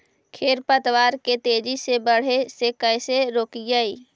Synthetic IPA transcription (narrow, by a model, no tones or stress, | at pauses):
kʰeːɾpət̪waːɾket̪eːd͡ʒisebəɽ̤esekəɪseɾoːkid͡ʒaːiː